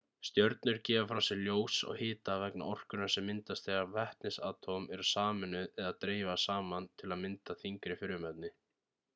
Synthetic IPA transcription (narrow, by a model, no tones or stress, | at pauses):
st̪jœɾt̪nʏɾcɛːvafɾawsɛɣljoːwsɔ̰ɣhɪːt̪avɛkna̰ʔɔr̥kʏnaɾ̥sɛmːɪnt̪ast̪θeɣavɛht̪nɪsa̰ːt̪ʰomɛɾasaːmʏnʏðɛðat̪ɾeːjvasaːmant̪ʰɪlaðmɪnt̪aθiŋkɾɪfɪɾʏmɛt̪̚nɪ